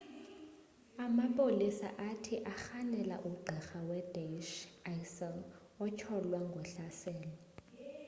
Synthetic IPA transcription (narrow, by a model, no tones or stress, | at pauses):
amapʼolisa̰ʔatʰiʔaxanɛla̰ʔuɡ͡ǃʱɛxawɛd̥eʃajsɛn | ɔt͡ʃʰɔlwaŋɡʱwɛɬasɛːlɔ